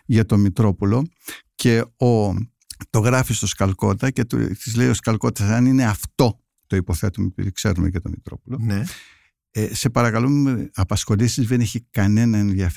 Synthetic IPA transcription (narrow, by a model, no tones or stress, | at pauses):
ʝɐt̪o̞mit̪ɾo̞polo̞ | ce̞o | t̪o̞ɣɾɐfist̪o̞skɐlko̞t̪ɐcet̪t̪izle̞ijo̞skɐlko̞t̪ɐsɐnine̞ɐft̪o̞ | t̪o̞ipo̞θe̞t̪umepḭkse̞̰ɾumeʝɐt̪o̞mit̪ɾo̞̰polo̞ne | ese̞pɐɾɐkɐloeɐpɐsxo̞lisizðeneçikɐne̞nɐenðjɐf